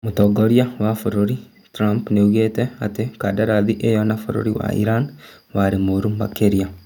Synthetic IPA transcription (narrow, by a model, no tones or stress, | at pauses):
mutɔɡoɾjawafoɾoɾi | tɾampneuɣetɛatekadaɾaðiʔejɔnafoɾo̰ɾiwa̰ḭɾan | waɾemoɾumbakeɾja